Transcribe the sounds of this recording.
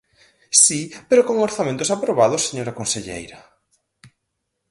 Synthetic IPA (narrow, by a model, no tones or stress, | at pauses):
sipeɾokoŋoɾθamẽnt̪ʊsapɾoβaðʊsːeɲoɾakonseʎḛjɾɐ